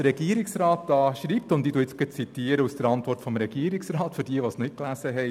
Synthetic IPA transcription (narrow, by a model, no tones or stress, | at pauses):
əɾɛɡ̥iːəɾɪksɾɑːtɑːʃɾiːp̚tʊnd̪iduːɪt͡sɡ̥ət͡sit̪iːəɾəusd̥əɾɑntvɔrtfɔmɾɛɡiːəɾɪksrɑːtfʏɾdiəʋosnɪklæsəɦɛ